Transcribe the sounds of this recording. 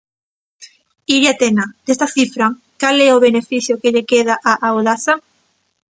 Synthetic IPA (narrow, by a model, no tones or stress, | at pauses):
iɾat̪enad̪̥est̪aθifɾa | kalɛoβenefiθjʊkeʎekeð̞aʔaʔawðaθa